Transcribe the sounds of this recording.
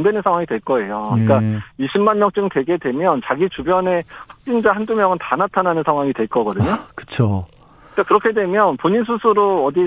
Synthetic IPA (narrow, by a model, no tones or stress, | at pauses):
ndwe̞nɯnsʰaŋwaŋidwe̞ɭk͈ʌe̞joɯɲik͈aiɕʰimanmjʌŋt͡ɕ͈ɯŋtwe̞ɡe̞dwe̞mjʌnt͡ɕaɡit͡ɕubjʌne̞ɸwak̚t͡ɕ͈ind͡ʑaɦandumjʌŋɯntanatʰananɯnsʰaŋɦwaŋidwe̞ɭk͈ʌɡʌdɯɲokɯ̥t͡ɕʰo | k͈akɯɾʌkʰe̞dwe̞mjʌnpoɲins̬ʰusʰuɾoʌdi